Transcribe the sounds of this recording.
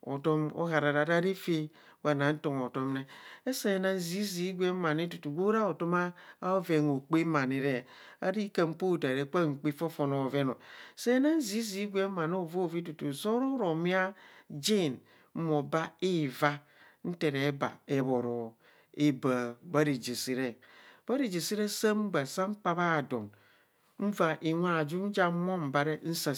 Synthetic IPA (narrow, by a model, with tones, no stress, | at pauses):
o̰˨to˦mo̰˦ɦa˨ɾa˨ɾa˨ɾa˦ɾi˦fe˦ | wa˨na˨n̩˦to˨ŋo˨to˦m˦ne˦e˦se˨na˦n̩˦zi˦zi˦ɡʷe˦ma˨ne˦tu˨tu˨ɡo˦ɾa˦o˨to˦maː˦ve˨ŋo˨k͡pe˦ma˨ne˨ɾe˦˨ | a̰˨ɾi˦ka˦˨m̩˦po˦˨da˨ɾe˨˦k͡pa˦ŋ͡m̩˨k͡pi˦fo˦fo˨no˨ve˦no˨se˦na˦n̩˦zi˦zi˦ɡʷe˦ma˨no˦˨vo˦˨vi˦tu˨tu˨zo˦ɾo˦ɾo˨mi˦a˦d͡ʒe˦˨n | m̩˦mo˨ba˦i˦˨va˦ | n̩˦te˨ɾe˨˦ba̰˨e˦bo˨ɾo˨ | e˦ba˨ba˦ɾi˨d͡ʒi˨si˦ɾe˦˨ | ba˦ɾi˨d͡ʒi˨si˦ɾe˦sa˦m̩˦ba˨sa˦ŋ͡m̩˦k͡pa˦βa˦˨do˨n | m̩˦va˨ʔi˨ŋʷa˦˨d͡ʒu˦n̩˦d͡ʒa˦mo˦m̩˨ba˦ɾe˦n̩˦sa˨